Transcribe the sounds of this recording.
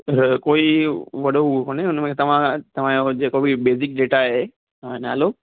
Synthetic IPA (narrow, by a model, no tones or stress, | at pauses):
koːiʋɐɗoɦoːneʊnmãkʰet̪ɐʋ̤ãt̪ɐʋ̤ãjod͡ʑeːkobʱibeːzɪk̚ɖeːʈaɦe | ãna̰ːlo